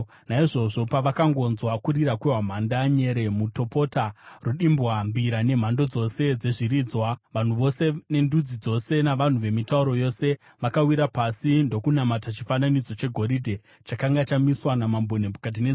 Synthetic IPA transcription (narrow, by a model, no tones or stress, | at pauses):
naiʐo̞ʐo̞paʋakaŋɡo̞nzwakuɾiɾakweɦwam̤andaɲe̞ɾe̞muto̞po̞taruɗimbwambiɾane̞m̤ando̞d͡zo̞se̞d͡ze̞ʐiɾiːd͡zwaʋan̤uʋo̞se̞ne̞ndud͡zid͡zo̞se̞naʋan̤uʋe̞mitauɾo̞jose̞ | ʋakawiɾapasindo̞kunamatat͡ʃifananid͡zo̞t͡ʃe̞ɡʱo̞ɾidʱe̞ | t͡ʃakaŋɡat͡ʃamiswanamambonepukat̬ine